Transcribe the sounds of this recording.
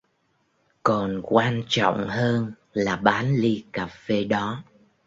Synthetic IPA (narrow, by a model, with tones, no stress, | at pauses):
kɔ˨˩nkwaː˧nt͡ɕɔ̰˧˨wŋ͡mhəː˧n | laː˨˩ɓaː˨˦nli˧kaː˨˩fe˧ɗɔ˨˦